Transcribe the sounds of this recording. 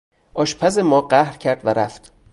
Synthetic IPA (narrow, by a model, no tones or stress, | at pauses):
ʔɒːʃpʰæzemɒːɢæhɾcʰæɾd̪væɾæ̰ft̪